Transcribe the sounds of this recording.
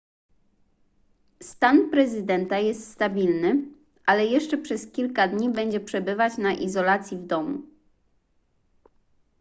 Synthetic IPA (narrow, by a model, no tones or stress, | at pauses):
st̪anpɾɛzɘd̪ɛnt̪ajɛst̪st̪abʲilnɘ | ʔalɛjɛʂt͡ʂɛpʂɛskʲilkad̪ɲibɛɲd͡ʑɛpʂɛbɘvat͡ɕnaʔizɔlat̪sʲjivd̪ɔmṵ